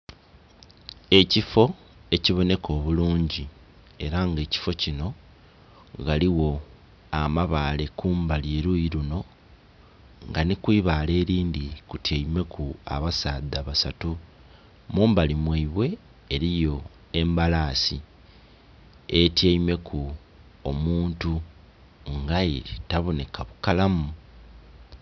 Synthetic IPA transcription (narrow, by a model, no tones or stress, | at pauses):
e̞cifo̞ | e̞ciβo̞ne̞kʰo̞ːβuluːɲɟi | e̞ɾaŋɡe̞ːci̥fo̞cino̞ | ɡaliwo̞ | amaβale̞kuːmbalie̞ɾujiɾuno̞ | ŋɡanikwiːβaːle̞ːɾiːndikutjeime̞kʰua̰βasaːdaβasatu | muːmbalimwiiβwe̞ː | ɾijo̞ | e̞mbalaːsi | etjeime̞kʰu | omuːntu | ŋɡaiɾitaβo̞ne̞kʰaβukalamu